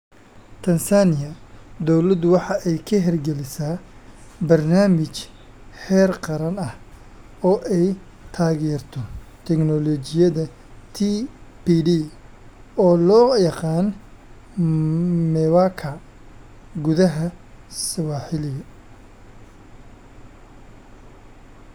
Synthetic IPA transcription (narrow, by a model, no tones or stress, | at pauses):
t̪ʰɐnsanɪjɐd̪ɔwlɐd̪wɑħɑʔɛjkʰɐɦɛrɡɛlɪsaːbɐrnaːmɪt͡ʃ | hɛːrqɑɾɐnɐh | ɔːʔɛj | t̪ʰaːɣɛːrt̪ʰɔt̪ʰɛknɔlɔːt͡ʃɪjɐðɐ | t̪ʰipiːɖiː | ɔːlɔːjɑqɑːn | mɛwakʰɐ | ɡʊðɐɦɐsɐwaːħɪlɪɣɐ